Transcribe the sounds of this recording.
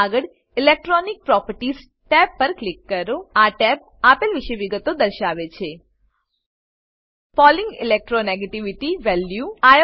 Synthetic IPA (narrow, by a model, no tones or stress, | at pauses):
aɡəɽ | ilek̚ʈɾɔnik̚pɾɔpəɾʈiz | ʈɛbːəɾklikːəɾoaʈɛb̚ | apelʋiʃejʋiɡət̪od̪əɾʃaʋet͡ʃʰe | fɔliŋɡḭlek̚ʈɾoneɡeʈiʋiʈiʋɛljuaj